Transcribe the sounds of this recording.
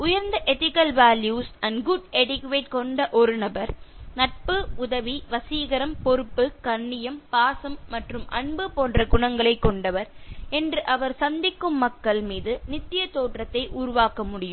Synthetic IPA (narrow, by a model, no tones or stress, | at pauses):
ʊjɐɾnd̪ɐʔɛt̪ɪkːɐlʋaːljuːsʔɐnɡʊɖɛɽɪkʋeːʈ̚kɔɳɖɐʔɔɾɯnɐbɐɾnɐʈ̚pɯʊðɐʋiʋɐsiːɣɐɾɐmpɔɾɯpːɯkɐɳːɪjɐmpaːsɐmːɐʈrɯmʔɐɳbɯpoːndrɐɡʊɳɐŋɡɐɭɐɪkːɔɳɖɐʋɐɾɛndrɯʔɐʋɐɾsɐnd̪ɪkːɯmːɐkːɐɭmiːðɯnɪt̪ːɪjɐt̪oːʈrɐt̪ːɐɪʔʊɾʊʋaːkɐmʊɽɪjɯm